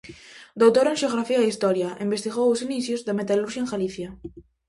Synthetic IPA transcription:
d̪owt̪oɾẽnʃeoɣɾafiaist̪ɔɾjaẽmbest̪iɣowʊsiniθjozðamet̪aluɾʃaeŋɡaliθja

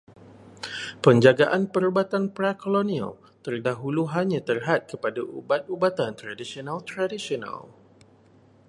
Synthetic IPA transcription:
pəɲd͡ʒaɡaʔanpəɾubat̪anpɾakolonĩa̰l | t̪ərdaɦuluɦaɲãt̪ərɦat̪̚kəpadaʔṵbat̪̚ubat̪ant̪ɾadisionalt̪ɾadisiona̰l

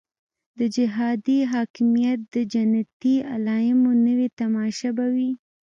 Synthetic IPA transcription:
d̪əd͡ʒɪɦɑd̪iɦɑkɪmijat̪̚d̪əd͡ʒanat̪ialɑjɪmonəwet̪amɑʃabawi

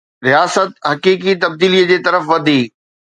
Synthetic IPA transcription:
ɾijaːsət̪̚ɦɐkiːkit̪ɐb̚d̪iːlijəd͡ʑeːt̪ɐɾəfʋɐd̪ʱiː

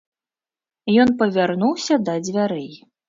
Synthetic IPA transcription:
jɔnpɐvʲarnuwsʲɐd̪ɐd͡zʲvʲaɾɛj

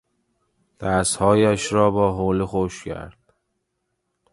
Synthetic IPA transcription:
d̪̥æshɒːjæʃɾɒːbɒːɦoːlixoʃcʰæ̰ɾd̪̥̚

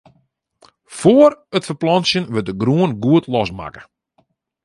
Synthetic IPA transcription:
foərətfəplɔnsjənʋət̚dəɡruənɡuətlɔsma̰kə̥

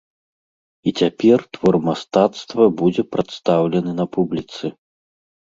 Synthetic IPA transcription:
it͡sʲapʲɛrt̪vɔrmast̪at̪st̪vɐbud͡zʲɛpɾat̪st̪awlʲɛnɨnɐpublʲit̪sɨ

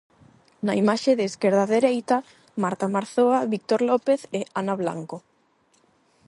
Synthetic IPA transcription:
naimaʃeðeːskeɾðaðeɾejt̪a | maɾt̪amaɾθoaβik̚t̪oɾlopeθeanaβla̰ŋko

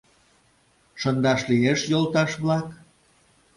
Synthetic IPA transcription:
ʃɤnd̪ɑʃlieʃjolˠt̪ɑʃβlɑk

